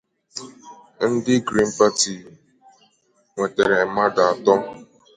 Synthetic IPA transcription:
n̩˦dɪ˦ɡɾi˦n̩˦pa˦ti˨ | ŋʷe˨te˨ɾe˨ma˦da˨a˨tɔ˦

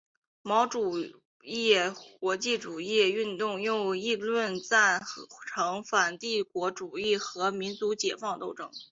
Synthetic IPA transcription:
mɑ˧˥ʊʈ͡ʂu˨˩ | jjɛ˥˩kwɔ˧˥t͡ɕi˥˩ʈ͡ʂu˨˩ji˥˩y˥˧nt̪ʊ˥˧ŋjʊ˥˧ʊi˥˧lwə˥˧nt͡sa˥˩ɪʈ͡ʂʰɤ˧˥ŋfa˨˩nt̪i˥˩kwɔ˧˥ʈ͡ʂu˨˩i˥˩xɤ˧˥mi˧˥nt͡su˧˥t͡ɕjɛ˨˩fɑ˥˧ŋt̪o˥˧ʊʈ͡ʂɤ˥˩ŋ

